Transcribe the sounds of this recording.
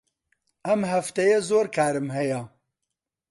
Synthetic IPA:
ʔɐmɦɐft̪ɐjɐzoːɾkʰaːɾɨmɦɐjɐ

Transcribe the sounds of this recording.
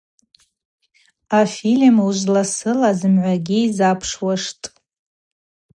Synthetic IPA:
afilmuʒʷlasɨlazɨmʕʷaɡʲiizapʰʂwaʂtʼ

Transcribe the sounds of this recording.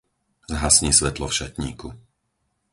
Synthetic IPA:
zɦasɲiːsʋɛt̪lɔfʃat̪ɲḭːku

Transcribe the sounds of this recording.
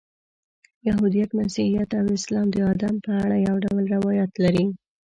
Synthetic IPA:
jaɦud̪ijat̪masihijat̪awɪslɑmd̪əɑd̪ampəaɽajawɖawəlɾɪwɑjat̪laɾi

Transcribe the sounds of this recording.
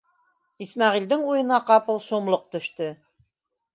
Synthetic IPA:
ismɑʁild̪ɘŋujɤ̆nɑqɑpɤlˠʃumlˠoq̚t̪ɵ̆ʃt̪ɘ

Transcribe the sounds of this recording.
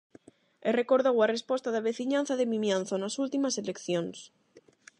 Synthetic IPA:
erekoɾðowarespost̪aðaβeθiɲãn̟θaðemĩmjãn̟θonasult̪imaselekθjõns

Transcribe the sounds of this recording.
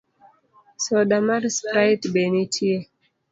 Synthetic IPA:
sɔɗamaɾspɾatbɛnitʰie

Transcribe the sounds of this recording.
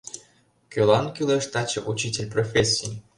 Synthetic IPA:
kʲølˠɑnkʲilˠeʂt̪at͡ɕeʔut͡ɕitʲelʲprofʲesʲːij

